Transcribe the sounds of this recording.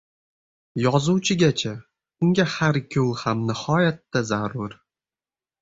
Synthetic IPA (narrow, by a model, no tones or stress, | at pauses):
jɒzuwt͡ʃʰɪɡʲat͡ʃʰa | ʊŋɡʲahaɾkʲʰɵwhamnɪhɒjat̪ːazaɾʊɾ